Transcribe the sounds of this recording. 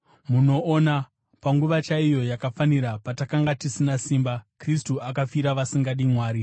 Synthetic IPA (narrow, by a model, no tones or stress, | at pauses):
muno̞ːna | paŋɡuʋat͡ʃaijo̞jakafaniɾapatakaŋɡatisinasiːmbakristuakafiɾaʋasiŋɡaɗimwaːɾi